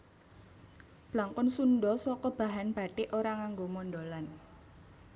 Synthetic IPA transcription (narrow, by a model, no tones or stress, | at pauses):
b̥laŋkʊnsunɖɔsɔkɔb̥a̤ɦanb̥a̤ʈeʔoɾaŋaŋɡomɔnɖolan